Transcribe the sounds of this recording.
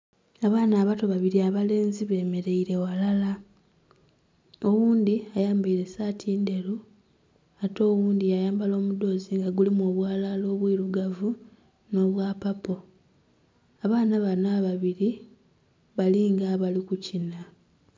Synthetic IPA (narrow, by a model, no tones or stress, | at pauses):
aβaːnaːβato̞βaβiɾiaβale̞ːnziβe̞ːme̞ɾe̞iɾe̞walala | o̞wuːnd̪iajaːmbiːɾe̞saːtʰiːnde̞ɾu | ato̞ːwuːndijajaːmbalo̞ːmudo̞ːziŋɡaɡulimuoβwaːlalo̞ːβwiːɾuɡavu | no̞ːβwaːpapo̞ | aβaːnaβanaβaβiɾi | βaliŋɡaβalikucina